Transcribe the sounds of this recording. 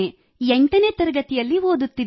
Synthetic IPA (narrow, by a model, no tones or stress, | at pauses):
e | eɳʈɐneːt̪ɐɾɐɡɐt̪ijɐlːiɦoːd̪ut̪ːid̪